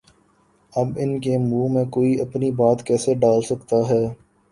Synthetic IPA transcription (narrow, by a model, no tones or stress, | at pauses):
ɐbɪnkemuːmẽkoːiɐpnibaːt̪kɛːseɖaːlsɐkt̪aɦɛː